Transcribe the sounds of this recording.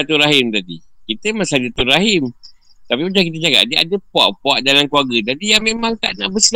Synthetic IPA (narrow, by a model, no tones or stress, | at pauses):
at̪uɾaɦɪmt̪adḭkit̪əmasadat̪uɾaɦɪm | t̪apimət͡ʃaŋk̬it̪əd͡ʒaka̰ʔdia̰dəpoa̰ʔpoaʔdalamkluaɡəd͡ʒadijamemaŋt̪aʔnaʔbəs